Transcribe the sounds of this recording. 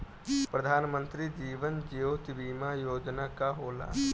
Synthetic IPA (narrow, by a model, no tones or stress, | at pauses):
pɾəd̪ʱaːnmə̃nt̪ɾid͡ʒiːʋənd͡ʒeot̪biːmajoːd͡ʒnakaɦoːla̰ː